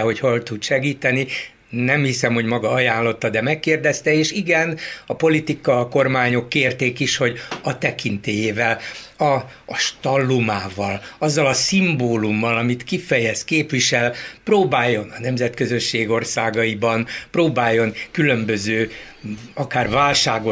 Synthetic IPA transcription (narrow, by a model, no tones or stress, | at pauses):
ɦo̞cho̞lt̪ud̪ʃɛɡiːt̪ɛni | nɛmhisɛmho̞ɟmɒɡɒɒjaːnlo̞t̪ːɒd̪ɛmɛkːeːrd̪ɛst̪ɛeːʃiɡɛnɒpo̞lit̪ikɒːko̞rmaːɲo̞kːeːrt̪eːkiʃho̞ɟɒt̪ɛkint̪eːjeːvɛlɒː | ʃt̪ɒlːumaːvɒlɒzːɒlɒsimboːlumːɒlɒmit̪kifɛjɛskeːpʋiʃɛlproːbaːjːo̞nɒnɛmzɛt̪køzø̞ʃːeːɡo̞rsaːɡɒibɒnproːbaːjːo̞nkylø̞mbø̞zøː | ɒkaːrvaːlʃaːɡo